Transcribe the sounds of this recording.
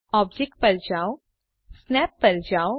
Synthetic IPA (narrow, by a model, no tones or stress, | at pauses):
ɔːbd͡ʒek̚ʈ̚pɐɾd͡ʒaːo | snɛːpːɐɾd͡ʒaːo